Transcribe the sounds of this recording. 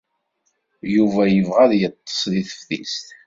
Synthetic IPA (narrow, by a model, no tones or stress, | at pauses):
juvæjəvʁæðjət̪ˤːə̥sˤðiθə̥fθḭst̪